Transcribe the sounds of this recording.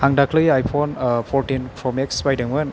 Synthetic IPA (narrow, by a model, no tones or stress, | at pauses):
haŋdakʰlɯjajpʰɔnpʰɔɾtinpʰɾɔmeksbajdɯŋwɯn